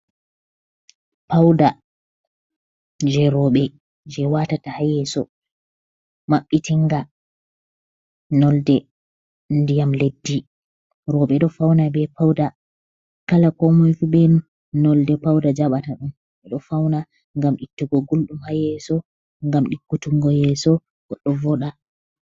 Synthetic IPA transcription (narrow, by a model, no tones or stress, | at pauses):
pawda | d͡ʒɛɾɔɓɛ | d͡ʒɛwatatahajɛsɔ | maɓːitiŋɡa | nɔldɛ | ndijamledːi | ɾɔɓɛɗɔfawnabɛpawda | kalakɔmɔjfuɓɛnu | nɔldɛpawdad͡ʒaɓataɗum | ɛɗɔfawna | ŋɡamɗitːuɡɔɡulɗumhajɛsɔ | ŋɡamɗikːutuŋɡɔjɛsɔ | ɡ̥ɔɗːɔvɔɗa